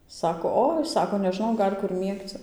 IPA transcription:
ˈsɑːkoː ˈoːɪ ˈsɑːkoː nʲɛˈʒnɐʊ ˈɡɐlʲ ˈkʊr ˈmʲiɛkt͡sʲɪ

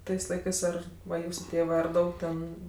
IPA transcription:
ˈtɐɪs ˈlˠɐɪkɜs ˈɐr ʋɐ ˈjuːsʊ ˈtʲeːʋɜ ɐr ˈdɐʊk tʲɛn

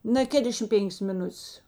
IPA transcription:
nɐ ˈkʲeːdʲɛʃʲɪm ˈpʲeːŋʲkʲeːs mʲɪˈnʊts

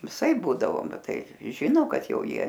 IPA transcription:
ʋʲɪˈsɐɪp ˈbuːdɐʋoː ˈbʲɛt ˈtɐɪ ˈʒʲɪnoː ˈkɐt ˈjɛʊ ˈjiɛ

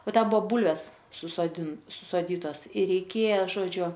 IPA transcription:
oː ˈtʲɛn ˈbʊʋoː ˈbʊlʲʋʲɛs sʊsoːˈdʲɪn tʲɪ sʊsoːˈdʲiːtoːs ɪr rʲɛɪˈkʲeːjɛ ˈʒoːd͡ʒʲʊ

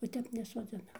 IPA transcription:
oː ˈtʲɛp nʲɛsoːˈd͡zʲɪnɐm

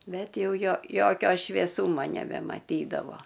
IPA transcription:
ˈbʲɛt ˈjɛʊ ˈjoː ˈjoːkʲoː ʃʲʋʲeːˈsuːmɐ nʲɛbʲɛmɐˈtʲiːdɐʋoː

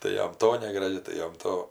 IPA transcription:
tɐɪ ˈjɛm ˈtoː nʲɛɡrɐˈʒʲɪ tɐɪ ˈjɛm ˈtoː

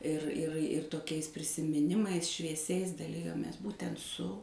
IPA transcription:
ɪr ɪr ɪr toːˈkʲɛɪs pʲrʲɪsʲɪmʲɪˈnʲɪmɐɪs ʃʲʋʲiɛˈsʲɛɪs dɐˈlʲɪjoːmʲeːs ˈbuːtʲɛnt sʊ

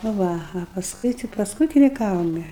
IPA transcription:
nʊ ˈʋɐ ɐ pɐsˈkʊɪ tʲɪ ˈpɐsk ʊkʲɪnʲɪˈkɑːʋoːmʲɛ

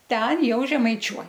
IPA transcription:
ˈtʲɛn ˈjɛʊ ʒʲɛmɐɪˈt͡ʃʲuɔj

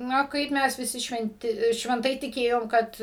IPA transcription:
ˈnɐ ˈkɐɪp ˈmʲɛs ʋʲɪˈsʲɪ ʃʲʋʲɛnʲˈtʲɪ ʃʲʋʲɛnˈtɐɪ tʲɪˈkʲeːjoːm ˈkɐt

